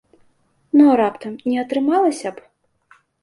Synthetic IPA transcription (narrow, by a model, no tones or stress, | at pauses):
nɔɾapt̪ɐmnʲɛɐt̪ɾɨmalˠɐsʲɐp